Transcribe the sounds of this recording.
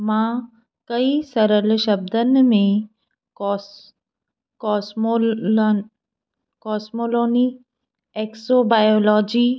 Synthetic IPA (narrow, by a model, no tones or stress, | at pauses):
mã | kɐisɐɾəlʃɐb̚d̪ənmẽ | kɔːs | kɔːsmoloːni | eksobaːjoːlɔːd͡ʑiː